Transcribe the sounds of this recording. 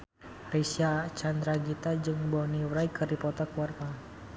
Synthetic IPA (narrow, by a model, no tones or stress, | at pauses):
risiat͡ʃand̪ɾaɡit̪ad͡ʒɨŋbɔniwɾajkɨrdipɔt̪ɔkuarpa